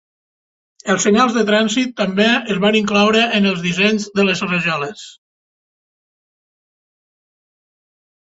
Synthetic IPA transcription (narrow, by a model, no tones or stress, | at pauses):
əlˠsəɲalˠzðət̪ɾanzit̪ːəmbeəzβaniŋklawɾəʔːnəlˠzðizɛɲzðələzrəʒɔləs